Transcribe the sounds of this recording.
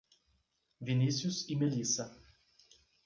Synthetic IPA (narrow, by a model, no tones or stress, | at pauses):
vʲɪnʲisʲjusimʲɛlʲiːsɐ